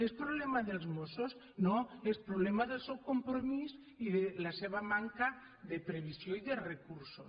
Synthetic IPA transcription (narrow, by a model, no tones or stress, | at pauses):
espɾoβ̞lemaðelzmosos | noespɾoβlemaðelˠsewkompɾomiz | iðelaseβ̞amaŋka | ðepɾeβ̞isjoiðerekuɾsos